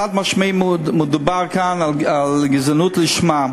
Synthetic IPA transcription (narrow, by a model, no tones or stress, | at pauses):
at̚maʃmeɪmmʊdubaɾkanaalɡɪzənuːtlɪʃma